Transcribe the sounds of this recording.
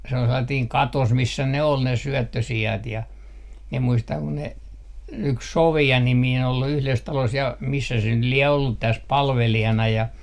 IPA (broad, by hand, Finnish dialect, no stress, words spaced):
se ol selːɑtiːŋ kɑtos misːæ ne ol ne syøtːøsiɑt jɑ mie muistɑŋ ku ne yks soʋiɑ nimiːn ol yhles tɑlos jɑ misːæ se nyt lie olːut tæs pɑlʋelijɑnɑ jɑ